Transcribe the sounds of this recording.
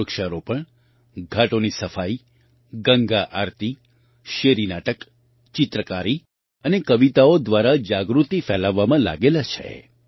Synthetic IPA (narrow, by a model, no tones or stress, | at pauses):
əkʃaɾopəɳ | ɡʱaʈonisəfai | ɡəŋɡaʔaɾt̪i | ʃeɾinaʈək | t͡ʃɪt̪ɾəkaɾi | ənekəʋit̪aod̪ʋaɾad͡ʒaɡɾut̪ifɛlaʋːamãla̰ɡelat͡ʃʰḛ